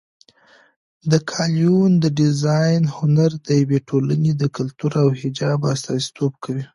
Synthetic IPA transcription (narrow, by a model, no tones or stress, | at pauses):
d̪əkʰɑljund̪əɖɪzɑjnhʊnaɾd̪əjaweʈʰolaned̪əkʊlt̪uɾawhɪd͡ʒɑbast̪ɑzi̥t̪ʰob̚kʰawi